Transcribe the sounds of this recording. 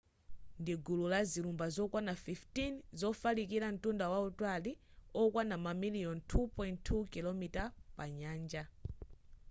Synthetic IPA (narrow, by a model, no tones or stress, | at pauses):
ndiɡululazilumbazɔkwanafiftinzɔfalikiɾan̩tundawautwaliɔkwanamamilijɔntʰupɔjntʰːukilɔmitapaɲaːnd͡ʒa